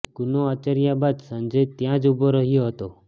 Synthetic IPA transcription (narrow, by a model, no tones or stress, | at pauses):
ɡunoat͡ɕəɾjabad̪sənd͡ʑet̪jãd͡zubəɾəɦijoɦɔt̪o